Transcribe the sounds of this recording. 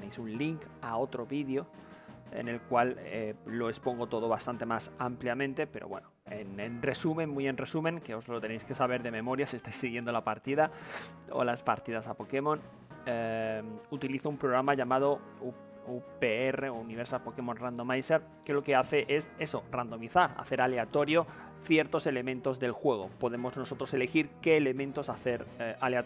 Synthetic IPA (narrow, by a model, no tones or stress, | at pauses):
ponejsunliŋkao̞t̪ɾo̞βiðjo̞e̞̰ne̞lkwaleːo̞espo̞ŋɡo̞t̪o̞ð̞o̞βast̪ant̪e̞masampljamẽnt̪e̞pe̞ɾoβwe̞̰noenenre̞sumẽ̞nmuje̞nre̞sumẽŋke̞o̞zlo̞t̪e̞nejske̞saβe̞ɾðe̞memo̞ɾjasiest̪ajsːiɣjend̪o̞lapaɾt̪iðao̰laspaɾt̪iðasapo̞ke̞mõ̞n | e | ut̪iliθoumpɾoɣ̞ɾamaʎamað̞o̞ | u | upeere̞ouniβe̞ɾsapo̞ke̞mõ̞nrand̪o̞majseɾ | ke̞lo̞ke̞aθe̞ʔe̞se̞so̞rand̪o̞miθaɾa̰θe̞ɾale̞at̪o̞ɾjo̞ | θje̞ɾt̪o̞se̞le̞mẽnt̪o̞zðe̞lxwe̞ɣ̞o̞po̞ðe̞mo̞zno̞so̞t̪ɾo̞se̞le̞xiɾke̞ːle̞mẽnt̪o̞saθe̞ɾalea